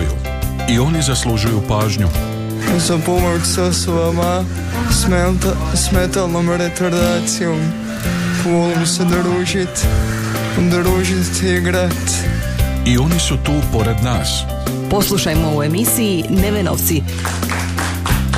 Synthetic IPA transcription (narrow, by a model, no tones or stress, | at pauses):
jṵ | io̞nizaslˠuʒujupaːʒɲu | usopomoɾsosuɐma | smet̪ | smɛt̪alˠnoməɾet̪oɾd̪asiom | fulˠmsed̪əɾuʒit̪ | d̪əɾuʒit̪iɡɾat̪ | io̞nisut̪uːpoɾed̪naːs | poslˠuʃajmoue̞misiːneʋeno̰ʋt̪si